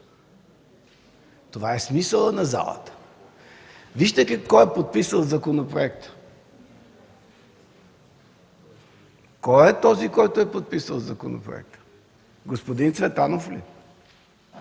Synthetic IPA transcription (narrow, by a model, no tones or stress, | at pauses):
t̪ovaɛsmisəlˠənɐza̰lˠə̰t̪ə̥ | viʒt̪ək̪ɛkɔjɛpot̪̚pisəlˠzɐkonopɾoɛkt̪ə̥ | kɔjɛt̪ɔzikɔjt̪ʊɛpot̪̚pisəlˠzɐko̰no̰pɾo̰ɛ̰k̚t̪ə̥ | ɡospod̪int̪svɛt̪anoflḭ